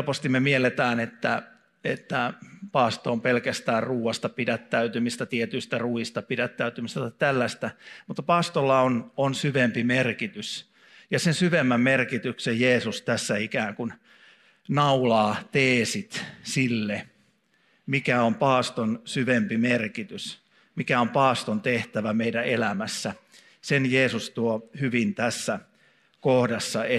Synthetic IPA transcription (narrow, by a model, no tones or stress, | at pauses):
lpost̪immemielet̪æːnet̪ːæ | et̪ːæpɑːst̪oːmpelkæst̪æːrruːwɑst̪ɑpidæt̪ːæyt̪ymist̪æt̪iet̪yist̪æruist̪ɑpidæt̪ːæyt̪ymist̪æt̪ɑt̪ælːæst̪æmut̪ːɑpɑːst̪olːɑononsyʋempimerkit̪ys | jɑsensyʋemːæmmerkit̪yksejjeːsust̪æsːæikæːŋkun | nɑulɑːt̪eːsit̪silːe | mikæompɑːst̪onsyʋempimerkit̪ys | mikæompɑːst̪ont̪eht̪æʋæmeidæelæmæsːæ | senjeːsust̪uohyʋint̪æsːæ | kohdɑsːɑe